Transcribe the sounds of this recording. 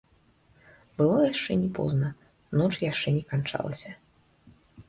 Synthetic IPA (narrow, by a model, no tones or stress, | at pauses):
bɨlˠɔjaʂt͡ʂɛnʲɛpɔ̰znɐ | nɔt͡ʂjaʂt͡ʂɛnʲɛkant͡ʂa̰lˠɐ̰sʲɐ